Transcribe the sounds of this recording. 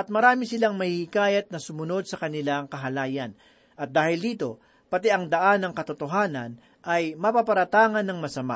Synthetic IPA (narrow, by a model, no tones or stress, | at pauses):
ʔɐt̪̚mɐɾaːmɪsɪlaŋmɐhihɪkaːjɐt̪̚nɐsʊmʊno̞d̪̚sɐkɐnɪlaŋkɐɦɐlaːjɐn | ʔɐt̪̚d̪aːhɪld̪iːt̪o̞ | pɐt̪ɛʔɐŋd̪ɐʔanːɐŋkɐt̪ʊt̪oɦaːnɐ̰n | ʔɐjmɐpapɐɾɐt̪aːŋɐnːɐŋmɐsɐma̰